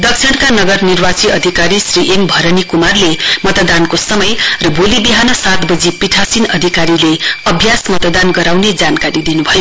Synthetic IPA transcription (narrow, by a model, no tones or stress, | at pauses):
d̪ʌkt͡sʰiɽkanʌɡʌrnirbat͡siʌd̪ʱikaɾisriʔembʱʌɾʌnikumarlemʌt̪d̪ankosʌmʌjrʌbolibiɦanʌsat̪bʌd͡zipiʈʰasinʌd̪ʱikaɾileʌbʱjasmʌt̪d̪anɡʌɾawned͡zankaɾid̪inubʱʌjo